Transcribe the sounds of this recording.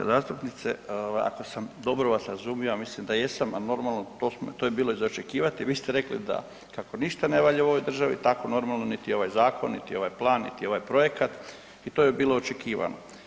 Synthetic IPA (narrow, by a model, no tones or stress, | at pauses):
zaːst̪upnit̪sḛoʋa̰ja̰ko̞samd̪o̞bɾoʋasɾazumijomislimd̪ajesamano̞ɾmalˠnot̪oːsmot̪ojebiːlˠo̞izot͡ʃe̞kiːʋat̪iʋiːst̪eɾe̞klḭd̪a̰ | kako̞niʃt̪ane̞ʋaʎeooʋojd̪r̩ʒaʋḭt̪ako̞no̞ɾmalˠnonit̪io̞ʋajzaːko̞nːit̪io̞ʋajplˠaːnːḭt̪io̞ʋajpɾo̞je̞kat̪ | it̪oːjebiːloot͡ʃe̞kiːʋa̰no̞